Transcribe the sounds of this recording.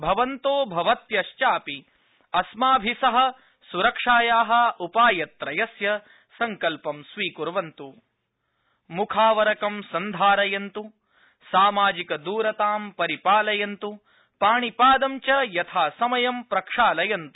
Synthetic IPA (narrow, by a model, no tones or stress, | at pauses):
bʱɐʋɐnt̪oːbʱɐʋɐt̪jɐʃt͡ʃaːpi | ɐsmaːbʱisɐɦɐ̆ | suɾɐkʂaːjaːɦɐ̆upaːjɐt̪ɾɐjɐsjɐ | sɐŋkɐlpɐmsʋiːkuɾʋɐnt̪u | mukʰaːʋɐɾɐkɐmsɐnd̪ʱaːɾɐjɐnt̪u | saːmaːd͡ʒikɐd̪uːɾɐt̪aːmpɐɾipaːlɐjɐnt̪u | paːɳipaːd̪ɐmt͡ʃɐjɐt̪ʰaːsɐmɐjɐmpɾɐkʂaːlɐjɐnt̪u̥